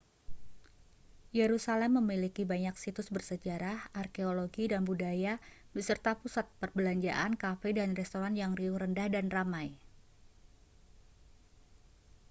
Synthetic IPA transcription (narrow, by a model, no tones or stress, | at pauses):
jeɾusalɛmːəmilikibaɲaksit̪ʊsbərsəd͡ʒaɾahʔarkeoloɡidanbudaja | bəsərt̪apusat̪̚pərbəlaɲd͡ʒa̰ʔankafɛdanrɛst̪oɾanjaŋriuɾəndahdanramaj